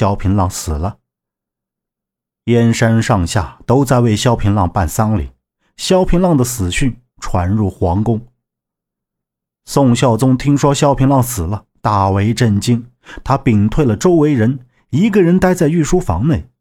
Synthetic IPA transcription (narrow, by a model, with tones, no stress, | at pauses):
jɑ˥ʊpʰi˧˥nlɑ˥˩ŋsɹ̩˨˩lə˦ | jɛ˥nʂa˥nʂɑ˥˧ŋɕja̰˥˩t̪o˥ʊt͡sa˥˧ɪwe˥˩ɪɕjɑ˥ʊpʰi˧˥nlɑ˥˧ŋpa˥˩nsa˥nlḭ˨˩˦ | ɕjɑ˥ʊpʰi˧˥nlɑ˥˩ŋd̪ə˩sɹ̩˨˩ɕy˥˩n | ʈ͡ʂʰwa˧˥nɻu˥˩xwɑ˧˥ŋkʊ˥ŋ | sʊ˥˧ŋɕjɑ˥˩ʊt͡sʊ˥ŋt̪ʰi˥ŋʂwɔ˥ɕjɑ˥ʊpʰi˧˥ŋlɑ˥˩ŋsɹ̩˨˩lə˦ | t̪a˥˩we˧˥ɪʈ͡ʂə˥˩nt͡ɕi˥ŋ | t̪ʰa˥pi˨˩ŋt̪ʰwe˥˩ɪlə˩ʈ͡ʂo˥ʊwe˧˥ɪɻə˧˥n | i˧˥ɡə˥˧ɻə˧˥nt̪a˥ɪt͡sa˥˧ɪy˥˩ʂu˥fɑ̰˧˥ŋne˥˩ɪ